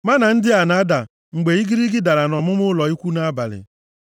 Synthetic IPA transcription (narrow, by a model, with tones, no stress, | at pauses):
ma˦na˨n̩˦dɪ˦a˨na˦da˨ | ŋ͡m̩˨ɡ͡be˨i˦ɡi˦ɾi˦ɡɪ˦da˨ɾa˨nɔ˨mʊ˦mʊ˦lɔ˨i˦kʷu˦na˦ba̰˨lɪ̰˨